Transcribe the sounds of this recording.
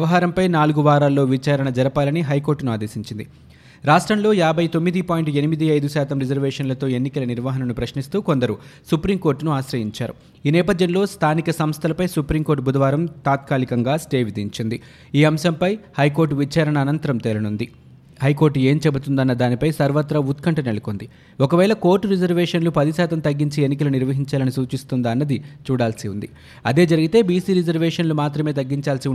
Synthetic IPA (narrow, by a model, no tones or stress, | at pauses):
jɛʋɐɦaːɾɐmpɐjnaːluɡuʋaːɾaːlːo̞ːʋit͡ʃaːɾɐɳɐd͡ʒɐɾɐpaːlɐniɦɐjko̞ːɾʈːnuaːd̪eːsiɲt͡ʃind̪i | ɾaːʂʈɾɐmlo̞ːjaːbʱɐjt̪o̞mːid̪ipaːjɳʈe̞nimid̪iɐjd̪usaːt̪ɐmɾid͡ʒɐɾʋɛːʂɐnlɐt̪o̞ːe̞nːikɐlɐniɾʋaːɦɐnɐnupɾɐʃnist̪uːko̞nd̪ɐɾusupɾimko̞ːɾʈnuaːʃɾɐjiɲt͡ʃaːɾṵ | iːnɛːpɐd̪ʱjɐnlo̞ːst̪ʰaːnikɐsɐmst̪ʰɐlɐpɐjsupɾimkoɾʈbʱud̪ɐʋaːɾɐmt̪aːt̪̚kaːlikɐŋɡaːsʈeːʋid̪iɲt͡ʃind̪i | iːɐmʃɐmpɐjhɐjko̞ːɾʈʋit͡ʃaːɾɐɳɐːnɐnt̪ɐɾɐmt̪elɐnund̪i | hɐjko̞ːɾʈe̞ːmt͡ʃɛbut̪und̪ɐnːɐd̪aːnipɐjsɐɾʋɐt̪ɾɐut̪kɐɳʈɐnelɐkond̪i | ɔkɐʋɛːlɐko̞ːɾʈːuɾid͡ʒɐɾʋɛːʂɐnlupɐd̪isaːt̪ɐmt̪ɐɡːiɲt͡ʃienːik̬ɐluniɾʋɐɦiɲt͡ʃaːlɐnisuːt͡ʃist̪und̪ɐnːɐd̪it͡ʃuːɽaːlsiund̪i | ɐd̪e̞ːd͡ʒɐɾiɡit̪e̞ːbiːsiːɾid͡ʒɐɾʋɛːʂɐnlumaːt̪ɾɐme̞ːt̪ɐɡːiɲt͡ʃaːlsi